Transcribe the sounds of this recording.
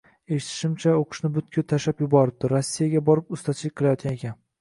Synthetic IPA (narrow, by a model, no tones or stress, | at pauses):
eʃɪ̥t̪ʰɪ̥ʃɪmt͡ʃʰaoqʰɨ̥ʃnɪbʊt̪kʲʰʊt̪ʰaʃapjʊbɒɾɪp̚d̪ɪɾosːijaɡʲabɒɾɪpʊst̪ʰat͡ʃʰɪlɪk̚ʲqʰɨlˠajɒt̪ɡʲanekʲan